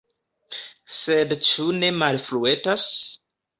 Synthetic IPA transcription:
sedt͡ʃune̞malfluetas

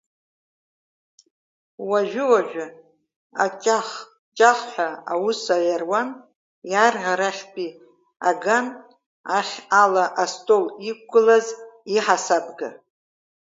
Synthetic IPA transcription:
waʒʷᶣɪwaʒʷᶣa | a̰t͡ʃʼaχ | t͡ʃʼaχħʷᶣaawusajarwan | jarʁʲaɾaχʲpʼi | aɡan | aχʲalaʔastʼolik̚ʷɡɨlaziħasabʼɡa

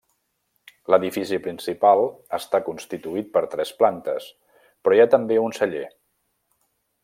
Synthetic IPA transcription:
ləðifisipɾinsipalˠəst̪akunst̪it̪uit̪̚pəɾt̪ɾɛsplant̪əs | pɾɔjat̪əmbeunsəʎḛ

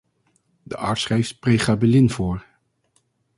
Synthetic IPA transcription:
dəʔɑ̰ːɹtsχrɛjftprejχaːbɛlɪnvʊːɹ

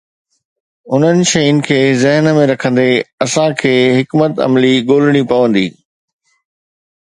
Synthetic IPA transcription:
ʊn̤ənɪ̆ʃɐjʊnɪ̆kʰeːzɪɦnmẽɾɐkʰə̃nd̪eɐsãkʰeːɦɪkmət̪ɐ̰mliɠoːlɪɽ̃ipɐʋə̃nd̪iː

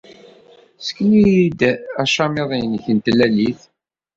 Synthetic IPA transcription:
sə̥kːənid̪æʃɑmeðˤinçənt̪əlːæliθ

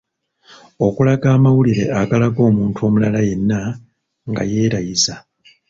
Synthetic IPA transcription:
o̞kulaɡaːmawuliɾe̞aɡalaɡo̞ːmuːntʰuo̞ːmulalaje̞nːa | ŋɡa̰je̞ːɾajiza

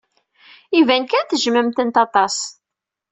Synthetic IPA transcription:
ivænkæθəʒməmt̪ənt̪ɑt̪ˤɑs

